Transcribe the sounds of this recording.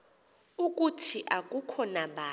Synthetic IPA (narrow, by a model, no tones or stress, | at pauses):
uk̬ʼutʰiʔak̬ʼukʰɔnaɓʱa